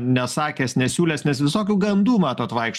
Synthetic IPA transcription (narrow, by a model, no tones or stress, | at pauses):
nʲɛsɑːkʲɛːsnʲɛsʲuːlʲɛsnʲɛsʋʲɪsoːkʲuːɡɐmd̪uːmɑːt̪oːt̪ʋɐɪkʃ